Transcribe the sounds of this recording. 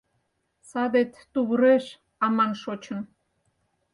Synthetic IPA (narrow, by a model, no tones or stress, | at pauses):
sɑd̪et̪ː | uβɾeʃ | ɑmɑnʃot͡ɕə̆n